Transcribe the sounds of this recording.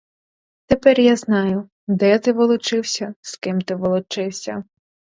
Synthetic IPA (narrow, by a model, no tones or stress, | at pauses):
t̪epɛrjaznɑjʊ | d̪ɛt̪ɪʋɔlˠɔt͡ʃɪwsʲɐskɪmt̪ɪʋɔlˠɔt͡ʃɪwsʲɐ